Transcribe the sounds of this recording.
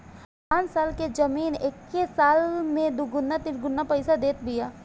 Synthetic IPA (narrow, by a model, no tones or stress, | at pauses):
pãːnsaːlked͡ʒɐmiːnekːesaːlmẽd̪ʊɡʊnːat̪ɪɾɡʊnːapɐɪsad̪eːt̪bɪjaː